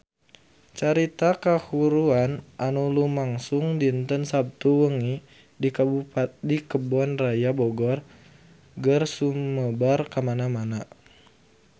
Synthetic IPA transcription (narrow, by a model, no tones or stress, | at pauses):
t͡ʃaɾit̪akahuɾuanʔanulumaŋsuŋdint̪ənsab̚t̪uwəŋi | dikabupat̪̚dikəbɔnrajabɔɡɔr | ɡərsuməbarkamanamana